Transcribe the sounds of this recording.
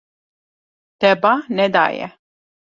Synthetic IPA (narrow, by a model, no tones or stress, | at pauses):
d̪̥ɛbanɛd̪a̰jɛ̰